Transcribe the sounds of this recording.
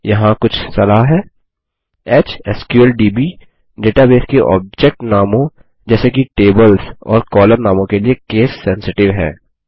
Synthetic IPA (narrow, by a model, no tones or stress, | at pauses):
jɐɦãkʊt͡ʃʰsɐlaːɦɦɛː | eːt͡ʃɛskjuəlɖiːbiː | ɖeːʈabeːskeʔɔ̰ːb̚d͡ʒɛk̚ʈnaːmõ | d͡ʒɛːsekiʈeːbəlzɔ̰ːɾkɔːləɾnaːmõkeliekeːsːɛ̃nsɪʈɪʋɦɛ̰ː